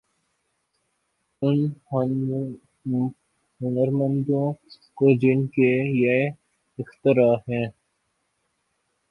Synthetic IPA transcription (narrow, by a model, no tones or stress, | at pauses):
ʊn | ɦʊnəɾmə̃nd̪õː | kod͡ʒɪnkeje | ɪxt̪ɪɾaːɦɛ̃ː